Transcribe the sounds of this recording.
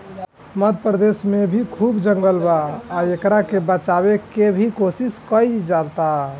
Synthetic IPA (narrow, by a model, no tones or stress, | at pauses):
məd̪̚pɾəd̪esmebʱikʰubd͡ʒəŋɡəlbaːekɾakebət͡ʃaβekebʱikosiskəid͡ʒalt̪a